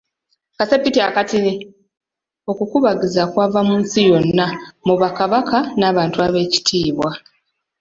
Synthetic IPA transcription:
kasepitiakatine | o̞kukuβaɡizakwaːvamuːnsijo̞nːamuβakaβakʰanaːβaːntuaβe̞ːci̥tʰiːβwa

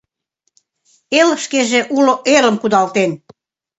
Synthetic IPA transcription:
elʃkeʒeʔuloʔelə̆mkud̪ɑlt̪en

